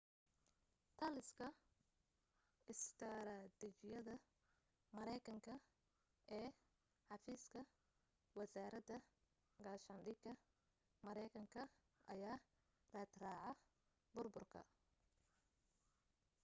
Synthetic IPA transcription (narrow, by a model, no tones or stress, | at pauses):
t̪ʰɐlɪskʰɐ | ʔɪst̪ʰɐɾad̪ɪt͡ʃɪjɐðɐ | mɐɾɛjkʰɐŋkʰɐ | ʔɛː | ħɑfiːskʰɐ | wɐsaːɾɐd̪ɐ | ɡɐːʃɐnɖɪɡɐ | mɐɾɛjkʰɐŋkʰɐ | ʔɐ̰jaː | rɐːd̪raːʕɑ | bʊrbʊrkʰɐ̰